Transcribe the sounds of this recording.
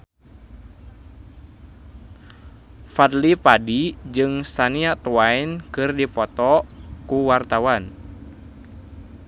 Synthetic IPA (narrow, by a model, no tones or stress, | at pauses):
fad̪lipadid͡ʒɨŋsaniaʔt̪uajnkɨrdipɔt̪ɔkuwart̪awan